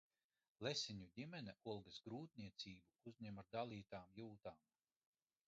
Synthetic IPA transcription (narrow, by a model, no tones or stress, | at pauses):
lesʲiɲud̪ʲimɛnɛulˠɡɨsɡɾuːt̪̚nʲiɛt̪siːbuuzʲɲʲɛmaɾd̪alˠiːt̪aːmjuːt̪aːm